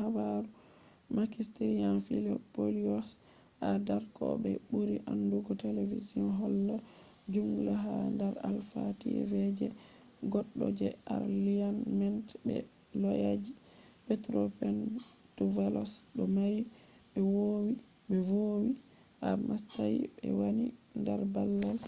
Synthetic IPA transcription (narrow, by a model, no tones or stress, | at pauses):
habaɾu | makistiɾianfilɔpoliɔs | hadaɾkɔ̰bɛbuɾiʔanduɡɔteleviziɔnɦɔlːa | d͡ʒumɡulaɦandaɾa̰lfatḭɛ̰vɛd͡ʒɛ | ɡɔɗːɔd͡ʒɛaɾlianmɛntbɛ̰ | lɔjad͡ʒi | pɛtɾopɛn | tuvɛlɔsɗɔmaɾi | ɓɛwowi | bɛvowi | hamastajibɛ̰wanindaɾbalːal